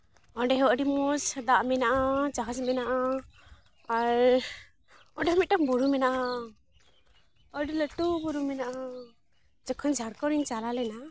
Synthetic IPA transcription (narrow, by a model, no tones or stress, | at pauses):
ɔɖɛɦɛwʔɔɖimɔsəd̪aʔmɛnaʔad͡ʒaɦad͡ʒmɛnaʔaː | ɾ | ɔ̃ɳɖɛmit̪̚ɗaŋbuɾumɛnaʔa | ɔɖiləʈubuɾumɛnaʔa | d͡ʒakʰɔnd͡ʒʱaɾkɔɾiɲt͡ʃalalɛna